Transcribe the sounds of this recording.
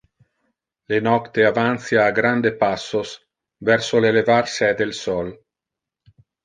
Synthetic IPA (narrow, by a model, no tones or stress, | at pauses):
lenɔkt̪eavant̪sjaːɡɾand̪epasːos | vɛɾsolelevarsɛd̪elsɔl